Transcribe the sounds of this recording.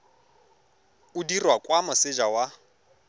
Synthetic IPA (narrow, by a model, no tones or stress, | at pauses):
ʊdirwakʼwamʊsɪd͡ʒawa